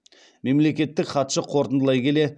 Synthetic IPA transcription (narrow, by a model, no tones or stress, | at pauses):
me̞mle̞kʲe̞t̪ːɪkχɑt̪ʃəqʰo̞ɾt̪ənd̪əlˠɑjkʲʰe̞le̞